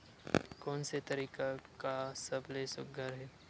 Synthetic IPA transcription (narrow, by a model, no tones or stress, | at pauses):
kɔːnset̪ɐɾiːkakasɐblesʊ̰k̚ɡʱəɾɦɛː